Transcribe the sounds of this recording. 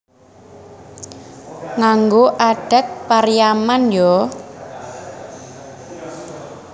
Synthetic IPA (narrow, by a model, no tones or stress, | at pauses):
ŋaŋɡoʔaɖ̥ə̤t̪̚parijamanjɔ